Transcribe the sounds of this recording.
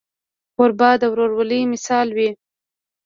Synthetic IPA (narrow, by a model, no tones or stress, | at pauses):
ʊɾbɑd̪awɾoɾwəlimɪsɑlwi